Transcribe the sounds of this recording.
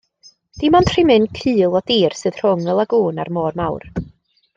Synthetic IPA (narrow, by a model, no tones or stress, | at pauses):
d̥imantʰrɪmɨnkʰɨːlˠɔdiːrsɨð̥r̥ʊŋəlˠaɡuːna̰rmɔːrmawr